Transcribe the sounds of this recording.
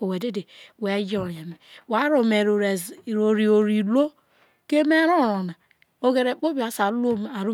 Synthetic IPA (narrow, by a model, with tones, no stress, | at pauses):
o˨we˨de˦de˨we˨˦d͡ʒo˦˨je˨me˨wa˨˦ɾo˨me˨ɾɾɾo˨ɾi˨o˨ɾi˨lo˦ | ke˦me˦ɾo˦˨ɾo˨na˨ | o˦ɡe˨ɾe˨k͡po˦bi˦a˨sa˨˦lo˦m˨a˨ɾu˦